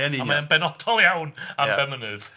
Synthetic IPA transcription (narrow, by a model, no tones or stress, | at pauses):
ɛnamaənbɛnɔd̥ɔlˠjawnabɛmənɨð